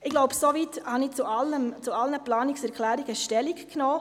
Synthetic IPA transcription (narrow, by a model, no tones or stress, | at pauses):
ɪɡlɔʊbəsoviːthɑnit͡sualəmt͡sualnəplɑːnɪksɛɾkʰlɛːɾiɡ̥əʃtɛlikknoː